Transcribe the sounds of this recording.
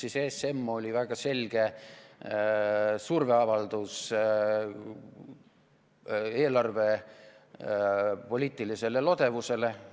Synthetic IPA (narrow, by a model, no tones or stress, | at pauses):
sisese̞mːo̞lʲivæɡ̥ɑse̞lɡ̥e̞ | surve̞ɑvɑld̪us | e̞ːlɑrve̞ | po̞lʲiːt̪ˑilise̞le̞lo̞d̪̥e̞vuse̞le̞